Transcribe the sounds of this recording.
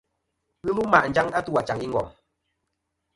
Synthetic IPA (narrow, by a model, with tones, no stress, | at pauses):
ɣɨ˦lu˦ma˨ʔn̩˨˦d͡ʒa˦ŋa˦tu˦wa˨t͡ʃa˨ŋi˦ŋ̩ɡɔ̰˨